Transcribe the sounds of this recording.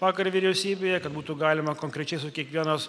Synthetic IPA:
ʋɑːkɐɾʋʲiɾʲɛʊsʲiːbʲeːjɛkɐt̪buːt̪uɡɑːlʲɪmɐkoŋʲkɾʲɛt͡ʃʲɛɪsʊkʲiɛkʋʲiɛnɐs

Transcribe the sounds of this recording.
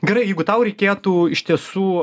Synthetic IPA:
ɡʲɛɾɐɪjɛɪɡʊt̪ɐʊɾʲɛɪkʲeːt̪uːɪʃʲt̪ʲiɛsuː

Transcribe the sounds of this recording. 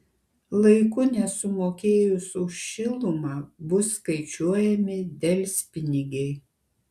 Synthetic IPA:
lˠɐɪkʊnʲɛsʊmoːkʲeːjʊsʊʃʲʃʲɪlˠʊmɑːbʊsːkɐɪt͡ʃʲuɔjɛmʲɪd̪ʲɛlʲsʲpʲɪnʲɪɡʲɛɪ

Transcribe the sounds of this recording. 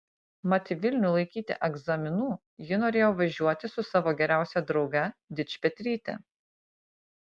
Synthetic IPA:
mɐt̪ʲɪʋʲɪlʲnʲʊlˠɐɪkʲiːt̪ʲɪ̰ʔɛɡzɐmʲɪnuː | jɪnoːɾʲeːjoːʋɐʒʲuɔt̪ʲɪsʊsɑːʋoːɡʲɛɾʲæˑʊsʲɛd̪ɾɒʊɡɐd̪ʲɪt͡ʃʲpʲɛt̪ʲɾʲiːt̪ʲɛ̰

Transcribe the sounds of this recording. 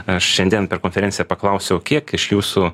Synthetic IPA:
ɐʃʃʲɛnʲd̪ʲiɛnpʲɛɾkoːnʲfʲɛɾʲɛnʲsʲɪjɛpɐklˠɐʊsʲɛʊkʲiɛkɪʃjuːsu

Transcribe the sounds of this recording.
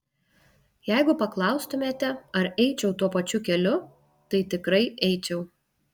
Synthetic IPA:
jæɪɡʊpɐklˠɐʊst̪ʊmʲeːt̪ʲɛɐɾɛɪt͡ʃʲɛʊt̪uɔpɐt͡ʃʲʊkʲɛlʲʊ | t̪ɐɪt̪ʲɪkɾɐɪʔɛɪt͡ʃʲɛʊ

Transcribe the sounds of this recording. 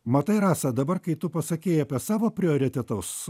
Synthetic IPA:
mɐt̪ɐɪɾɑːsɐd̪ɐbɐrkɐɪt̪ʊpɐsɐkʲeːjɐpʲɛsɑːʋoːpʲɾʲɪoːɾʲɪt̪ʲɛt̪ɐʊs

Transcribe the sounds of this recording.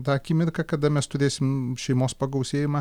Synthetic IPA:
d̪ɑɐkʲiːmʲɪrkɐkɐd̪ɐmʲɛst̪ʊɾʲeːsʲɪmʃʲɛɪmoːspɐɡɐʊsʲeːjɪmɐ

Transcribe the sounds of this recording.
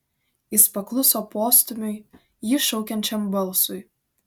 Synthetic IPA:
ɪspɐklˠʊsoːpoːst̪ʊmʲʊɪ | jɪʃɔʊkʲɛnʲt͡ʃʲɛmbɐlˠˑsʊɪ

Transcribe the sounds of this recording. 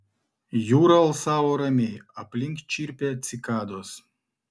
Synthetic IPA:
juɾɐlˠsavoɾɐmʲejɐplʲiŋkt͡ʃiɾʲpʲɛt̪sʲikad̪os

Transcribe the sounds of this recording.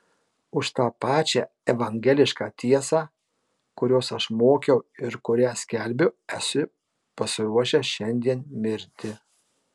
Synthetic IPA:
ʊʃt̪ɑːpɑːt͡ʃʲɛ | ɛʋɐŋʲɡʲɛlʲɪʃkɑːt̪ʲiɛsɑː | kʊɾʲoːsɐʃmoːkʲɛʊɪɾkʊɾʲæːsʲkʲɛlʲbʲʊɛsʲʊ | pɐsʲɪɾuɔʃʲɛʃʲɛnʲd̪ʲiɛnmʲɪɾʲt̪ʲɪ

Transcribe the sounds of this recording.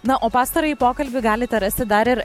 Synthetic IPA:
nɐʔoːpɑːst̪ɐɾɐːjipoːkɐlʲbʲɪɡɑːlʲɪt̪ʲɛɾɐsʲt̪ʲɪd̪ɐɾɪɾ

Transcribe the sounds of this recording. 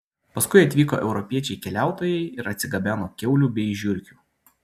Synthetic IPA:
pɐskʊɪɐt̪ʲʋʲiːko̰ːʔɛʊɾɔpʲiɛt͡ʃʲɛɪkʲɛlʲæˑʊt̪oːjɛɪɪɾɐt̪ʲsʲɪɡɐbʲæːnoːkʲɛʊlʲuːbʲɛɪʒʲʊɾʲkʲuː

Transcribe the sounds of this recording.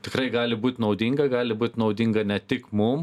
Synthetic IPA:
t̪ʲɪkɾɐɪɡɑːlʲɪbuːt̪ʲnɐʊd̪ʲɪŋɡɐɡɑːlʲɪbuːt̪ʲnɒʊd̪ʲɪŋɡɐnʲɛt̪ʲɪkmʊm

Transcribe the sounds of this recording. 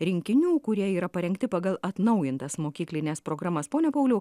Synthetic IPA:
ɾʲɪŋʲkʲɪnʲuːkʊɾʲiɛiːɾɐpɐɾʲɛŋkt̪ʲɪpɑːɡɐlˠɐt̪nɐʊjɪnt̪ɐsmoːkʲiːklʲɪnʲɛːspɾoːɡɾɑːmɐspoːnʲɛpɐʊlʲɛʊ

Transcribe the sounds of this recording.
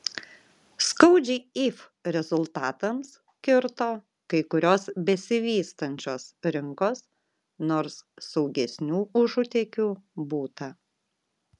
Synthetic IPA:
skɐʊd͡ʒʲɛːiːf | ɾʲɛzʊlˠt̪ɑːt̪ɐms | kʲɪɾt̪oː | kɐɪkʊɾʲoːsbʲɛsʲɪʋʲiːst̪ɐnʲt͡ʃʲoːsɾʲɪŋkoːs | noːɾsːɐʊɡʲɛsʲnʲuːʊʒʊt̪ʲɛːkʲuːbuːt̪ɐ

